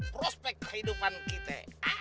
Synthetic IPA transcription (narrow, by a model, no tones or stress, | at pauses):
pɾɔspɛkːəhidupankit̪ɛ̰